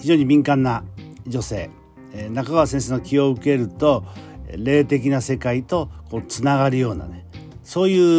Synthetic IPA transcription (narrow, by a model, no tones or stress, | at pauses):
çiʑoːɲ̟imʲĩŋkãnːad͡ʑo̞se̞̰ː | nakaɡaβasẽɰ̃s̬eːnokʲio̞ɯ̟ke̞ɾɯ̟t̪o̞ɾe̞ːt̪e̞k̬ʲinase̞kait̪o̞ko̞ːt͡sɨnaɡaɾɯ̟jo̞ːna̰ne̞ | so̞ːjɯ̟ː